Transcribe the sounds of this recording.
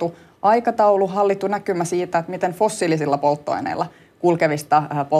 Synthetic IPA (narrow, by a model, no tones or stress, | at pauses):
u | ʔɑikɑt̪ɑuluɦɑlːit̪ːunækymæsiːt̪æet̪mit̪enfosːilisilːɑpolt̪ːo̰inḛilːˑɑ | kulkeʋist̪ɑpo